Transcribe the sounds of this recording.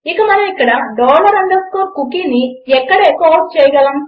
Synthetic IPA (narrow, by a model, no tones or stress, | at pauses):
ikɐmɐnɐmikːɐɽɐɖoːlɐɾɐɳɖɐɾskoːkukiːniɛkːɐɽeːkoːst͡ʃɛːjɐɡɐlɐm